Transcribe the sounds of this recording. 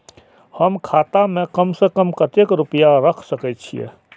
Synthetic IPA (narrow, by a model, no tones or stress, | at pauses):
həmkʰaːt̪amẽkəmsekəmkət̪ekɾupəjaɾəkʰsəkɛt̪t͡ʃʰḭjḛ